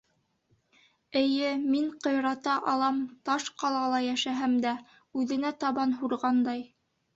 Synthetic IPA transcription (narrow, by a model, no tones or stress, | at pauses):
ɘ̆jɘmiɴqŏjɾɑt̪ɑʔɑlˠɑmt̪ɑʃqɑlˠɑlˠɑjæʃæɦæmd̪æ | ʉðɘ̆næt̪ɑβɑnɦuɾʁɑnd̪ɑj